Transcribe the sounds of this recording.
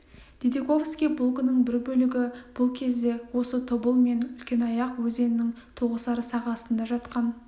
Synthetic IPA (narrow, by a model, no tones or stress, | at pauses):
d̪̥ed̪eko̞vskʲijbulˠkənəɴbɪɾbɵlɪɡʲɪb̥ʊlˠkʲʰe̞zd̪e̞wo̞sət̪ʰobəlˠme̞nʏlkʲe̞nɑjɑqwɵze̞nɪnɪŋ | t̪ʰoʁəsɑɾəsɑʁɑsənd̪ɑʒɑt̪qɑn